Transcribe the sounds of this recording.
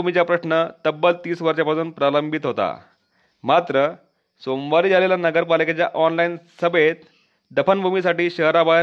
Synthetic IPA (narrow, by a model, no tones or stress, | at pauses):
umit͡ɕjapɾəɕɳət̪əbːəlt̪iːsʋəɾɕapasuːn̚pɾaləmbʱit̪ɦot̪a̰ | mat̪ɾə | somʋaɾiːd͡zʱaleljanəɡəɾpaliket͡ɕjaʔɔnlainsəbet̪ | d̪əpənbʱumisaʈiːɕəɦɾaba